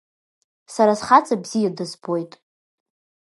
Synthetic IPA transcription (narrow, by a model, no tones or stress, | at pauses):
saɾasχat͡sʼabz̥ijadazbojtʼ